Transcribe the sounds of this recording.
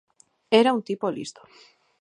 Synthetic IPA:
ɛɾaunt̪ipolḭst̪o̥

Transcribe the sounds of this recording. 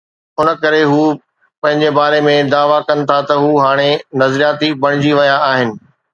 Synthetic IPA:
ʊnə̆kɐɾeɦuː | pɐ̃ɦɪ̃ɲd͡ʑebaːɾemẽd̪aːʋakɐnɪ̆t̪ʰat̪ɐɦuːɦaːɽ̃enɐzɾijaːt̪ibɐɽ̃ɪd͡ʑiʋɐjãːɦɪnɪ̆

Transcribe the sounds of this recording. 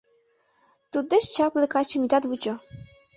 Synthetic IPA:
t̪ud̪eʃt͡ɕɑplekɑt͡ɕɤ̆mit̪ɑt̪βut͡ɕo

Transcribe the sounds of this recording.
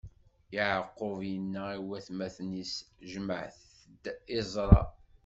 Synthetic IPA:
ɪʕəqːovjənːæiwæθmæθnisʒəməʕθd̪ɪzˤɾˤɑ̰

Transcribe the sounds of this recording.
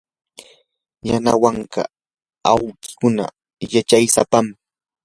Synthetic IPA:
jana̰wɑŋkɑ̰ | awkɪ̥kʊna̰ | jat͡ʃajsa̰pam

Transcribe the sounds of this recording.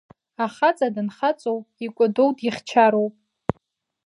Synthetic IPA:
aχat͡sʼadɨnχat͡sʼowpikʷʼʊdowtʼiχt͡ʃʰaɾowpʼ

